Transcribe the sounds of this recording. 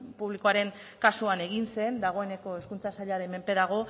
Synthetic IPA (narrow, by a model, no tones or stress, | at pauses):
puβlikoaɾe̞ŋ | kasuane̞ɣ̞inse̞nd̪aɣ̞o̞e̞ne̞ko̞e̞skunt͡sasaʎaɾe̞me̞mpe̞ðaɣ̞o̞